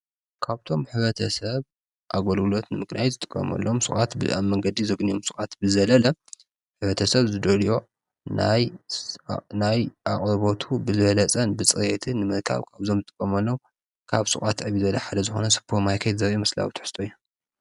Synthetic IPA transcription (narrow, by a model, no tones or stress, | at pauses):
kʰaβt̪ʰo̞mħɨβɐt̪ʰɐsɐβ | ʔaɡolɡɨlo̞t̪nɨmɨɡnajzɨt̪ʼɨ̥kʼːɐ̰mɐ̰lːomsɨχʼat̪bɨ̰a̰βmɐŋɡɐd̪izɐɡnijomsɨkʼat̪bɨzɐlɐlɐ | ħɨβɐt̪ʰɐsɐβzɨd̪olijo̞ | na̰j | najaχʼɾβot̪ʰubɨzɨβɐlɐt͡sʼɐnbɨt͡sʼɨjet̪ʰɨnɨmɨɾkʰa̰βkʰaβzo̞mzɨt̪ʼɨkʼːɐmɐlːow | kʰaβsɨ̰kʼat̪ʕɨβizɐlɐħad̪ɐzɨxo̞̰nɐsɨ̥pʰːomajkʰet̪zɐβimɐsla̰wit̪ʰɨ̥ħɨ̥st̪ʼoju